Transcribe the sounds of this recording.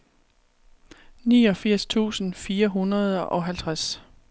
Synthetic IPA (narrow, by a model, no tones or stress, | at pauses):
niːɒ̽fiɐ̰st͡sʰṵːsn̩fiːɐɦunɐð̞̩ˠʔɒ̽ɦælt͡sʰʁas